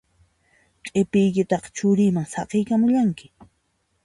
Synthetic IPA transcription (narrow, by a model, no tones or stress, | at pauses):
kʼepɪjkɪt̪ɑqɑ̥t͡ʃʊɾimaŋsɑqejkamʊʎaŋkɪ̥